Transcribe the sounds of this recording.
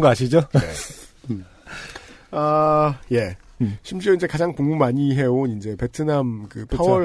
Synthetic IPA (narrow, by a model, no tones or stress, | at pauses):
ŋɡʌaɕʰid͡ʑoe | aje̞ | ɕʰimɕ͈iɾoind͡ʑe̞kad͡ʑaŋpoŋmumaɲiɦe̞onind͡ʑe̞pe̞tʰɯnamkɯpʰawʌ